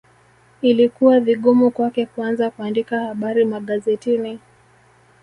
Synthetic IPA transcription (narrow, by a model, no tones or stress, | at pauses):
ilikuwaviɠumukwakɛkuanzakuandikahaɓaɾimaɠazɛtini